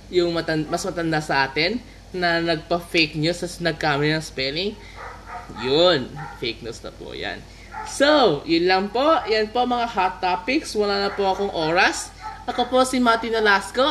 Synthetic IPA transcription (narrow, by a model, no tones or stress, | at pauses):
jʊŋmɐt̪ɐnmɐsmɐt̪ɐnd̪asɐʔaːt̪ɛnː | ɐnɐɡ̚pɐfejk̚ɲosɐsnɐɡ̚kaːmɪnɐŋspɛlɪŋ | jonfejk̚nusnɐ̰po̰ja̰n | sojʊnlɐŋpo̞jɐnpo̞mɐŋahat̪ːapɪkswɐlaːnɐpoʔɐko̞ŋʔo̞ːɾɐs | ʔɐko̞po̞sɪmat̪inɐlasko